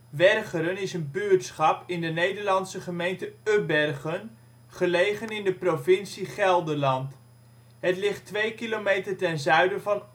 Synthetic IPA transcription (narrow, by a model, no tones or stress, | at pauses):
ʋɛrχəɾənɪsənbyɹtsχɑpɪndənejdəɹlɑnsəχəmejntəøbɛrχən | χəlejχənɪndəprovɪnsiχɛlˠdəɹlɑnt | ɦətlɪχtʋejkilomejtəɹtɛnzœɥdəvɑn